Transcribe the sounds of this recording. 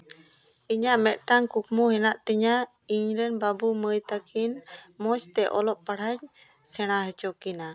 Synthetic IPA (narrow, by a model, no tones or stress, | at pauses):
iɲaʔmɛt̪ʔ̪̚ʈaŋkukmuɦɛnaʔt̪ɛɲa | iɲlɛnbabuməjt̪akʰinmɔt͡ʃt̪ɛʔɔlɔʔ̚paɽ̤aɲ | sɛɽ̃aɦɛt͡ʃɔkina